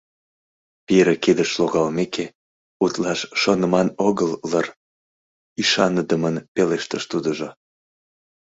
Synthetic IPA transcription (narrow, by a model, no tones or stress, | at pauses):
piɾeked̪əʃloɣɑlmekʰe | ut̪lɑʃːonəmɑnoɣəlːər | iʃɑnəd̪əmənpeleʃt̪əʃt̪ud̪əʒo